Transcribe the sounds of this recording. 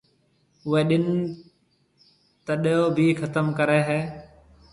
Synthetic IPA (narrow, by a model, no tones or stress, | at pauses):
ʊɦeːɗɪn | t̪əɗɦoːbʱiːxʰət̪əmkəɾeːɦɛː